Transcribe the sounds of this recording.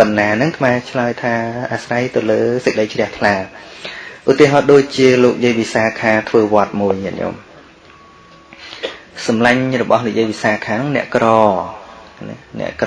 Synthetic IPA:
pɨnːaːnɨŋk̪ʰmaɛt͡ɕʰlaəjt̪ʰaːʔaːsrajt̪ɨwləːsək̚ɗəjt͡ɕʰrɛ̆əht̪ʰlaː | ʔut̪ːiəɦɑːɗoːc̚t͡ɕiəloːk̚jiəjpiːsaːkʰaːt̪ʰʋəːʋŏət̪̚muəjmɛ̰ʔɲo̰ːm | sɑmlaɲrɔɓɑhnik̚jəjɓiːsaːkʰaːnʊŋnɛ̆əʔkrɑː | nnɛ̰̆əʔk

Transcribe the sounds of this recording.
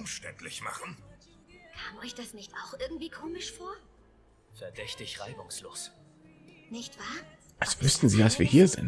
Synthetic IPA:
ʊmʃtɛntlɪçma̰χn̩ | kʰaːmɔʏçd̥asnɪçta̰ʊxʔɪɐɡŋ̩tv̥iːkʰoːmɪʃfoːɐ | fɛɐdɛçtɪçʁaɪbʊŋsloːs | nɪçtv̥aːɐ | ʔalsv̥ʏstn̩ziːvasv̥iːɐhiːɐzɪ̰nt

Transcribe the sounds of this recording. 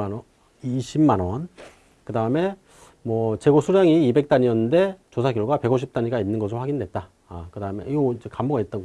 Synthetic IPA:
iɕʰimmanwʌn | kɯdaɯme̞ | mwʌt͡ɕe̞ɡosʰuɾjaŋiːbe̞k̚t͈aɲiʌnːɯnde̞t͡ɕosʰaɡjʌɭɡwape̞ɡoɕ̬ʰip̚t͈aɲiɡainːɯnɡʌsʰɯɾowɸaɡindwe̞t̚t͈a | akɯdaɯmḛiɡod͡ʑekamboɡait̚t͈ʌn

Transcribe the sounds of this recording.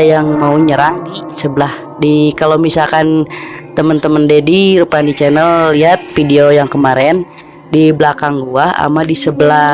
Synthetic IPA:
jaŋmauɲəɾaŋdisəbəlah | dikalawmisalkant̪əmənt̪əməndediɾupandit͡ʃɛnəlːiɦat̪̚fideojaŋkəmaɾɛn | diblakaŋɡuaha̰madisəbəla

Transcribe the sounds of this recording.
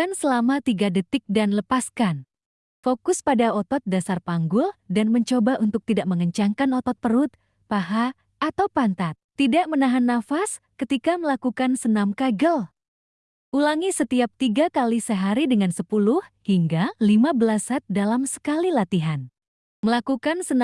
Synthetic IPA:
kansəlamat̪iɡadət̪ɪk̚danləpaskan | fokʊspadaɔt̪ɔt̪̚dasarpaŋɡʊldanməɲt͡ʃobaʔunt̪ʊk̚t̪idaʔməŋəɲt͡ʃaŋkanɔt̪ɔt̪̚pəɾʊt̪̚ | paɦa | at̪awpant̪at̪ːidaʔmənaɦanːafas | kət̪ikaməlakukansənamkaɡəl | ʔulaŋisət̪iap̚t̪iɡakalisəɦaɾidəŋansəpulʊhhiŋɡalimabəlasat̪̚dalamsə̥kalilat̪iɦan | məlakukansən

